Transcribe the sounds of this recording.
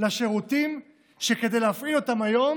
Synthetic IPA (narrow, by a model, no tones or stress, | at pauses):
laʃeʁutim | ʃeke̞de̞jleafʔilo̞tamajo̞m